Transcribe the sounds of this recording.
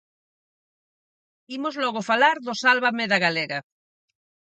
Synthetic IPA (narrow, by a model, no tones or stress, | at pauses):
imozlɔɣofalaɾðosalβameðaɣaleɣa